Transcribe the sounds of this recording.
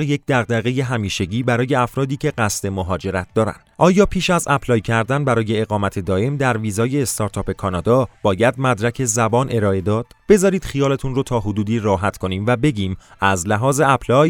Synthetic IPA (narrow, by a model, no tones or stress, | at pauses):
jec̚ʰd̪æɣd̪æɣe̞je̞ɦæmiːʃeɟiːbæɾɒːje̞æfɾɒːd̪iːcʰe̞ɢæst̪e̞moɦɒːd͡ʒe̞ɾæt̪̚d̪ɒːɾæ̰nd̪̥ʔɒːjɒːpʰiːʃæzæpʰlɒːjcʰæɾd̪ænbæɾɒːje̞eɣɒːmæt̪ʰe̞d̪ɒːʔe̞md̪æɾviːzɒːje̞ːst̪ʰɒːɾt̪ʰɒːpe̞kʰɒːnɒːd̪ɒːb̥ɒːjæd̪̚mæd̪ɾæcʰe̞zæbɒːnʔe̞ɾɒːe̞d̪ɒːd̪̥b̥e̞zɒːɾiːd̪̥xijɒːlet̪ʰunrot̪ʰɒːɦod̪uːd̪iːɾɒːɦæt̪ʰkʰo̞niːmvæbe̞ɟiːmæzlæɦɒːzeæpʰlɒːj